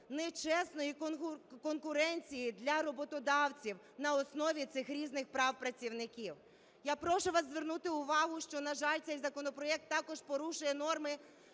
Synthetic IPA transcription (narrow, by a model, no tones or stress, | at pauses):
nɛt͡ʃɛsnɔjik̪kɔnkʊɾɛnʲt͡sʲijid̪lʲɐɾɔbɔt̪ɔd̪ɑwt͡sʲiw | nɐɔsnɔʋʲit̪sɪxɾʲiznɪxpɾɑwpɾɐt͡sʲiwnɪkʲiw | japɾɔʃʊʋɑszʋernut̪ɪʊʋɑɦʊʃt͡ʃɔnɐʒɑlʲt̪sɛjzɐkɔnɔpɾɔɛk̚t̪ːɑkɔʒpɔɾuʃʊjɛn̪ɔrmɪ